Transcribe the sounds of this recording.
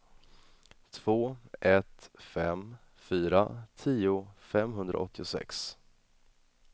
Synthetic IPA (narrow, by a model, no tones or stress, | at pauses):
t̪ʰv̥oːɛt̪fɛm | fyːɾat̪ʰiːʊfɛmɦɵnd̪ɾa̰ʔɔt̪ʰːɪʊsɛ̰ks